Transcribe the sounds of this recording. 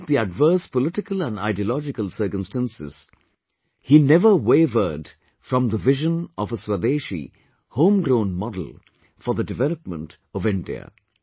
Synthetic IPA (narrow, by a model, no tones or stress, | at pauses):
t̪̚d̪iəɖvɜ˞spəlɪʈɪkəlˠæ̃na̰ɪɖiəlɔd͡ʒɪkəlˠsɜ˞kə̃mstæ̃nsɪ̰z̥ | hinɛvəweɪvə˞d | fɾɔ̃mðəvɪʒə̃nʔɔvəswəd̪eːʃḭ | hõʊ̃mɡɾõʊ̃nmɔdl̩ˠ | fɔðədɨvɛləp̚mə̰̃nt | ɔvɪ̃nɖḭə̰